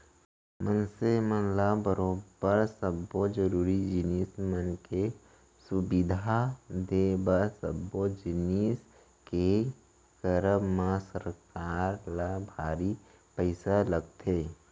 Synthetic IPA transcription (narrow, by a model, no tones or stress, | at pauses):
mənsemənlabəɾoːbəɾsəbod͡ʒəɾuːɾid͡ʒɪniːsmənke | sʊbɪd̪ʱad̪ebəɾsə̰bod͡ʒɪniːs | ke | kəɾəmmãsəɾkaːɾlabʱaːɾi | pəɪsaləɡ̚t̪ʰeː